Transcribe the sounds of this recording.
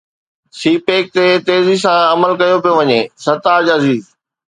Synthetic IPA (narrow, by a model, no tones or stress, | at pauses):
siːpeːk̚t̪et̪eːzis̬ãɐməlkɐjopijoʋɐɲeːsɐɾt̪aːd͡ʑɐziːz